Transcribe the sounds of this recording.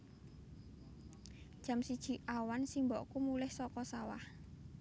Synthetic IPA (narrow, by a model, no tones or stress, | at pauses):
d̥ʒ̥a̤msid̥ʒ̥i̤ʔawansimbɔʔkumulɪhsɔkɔsawa̰h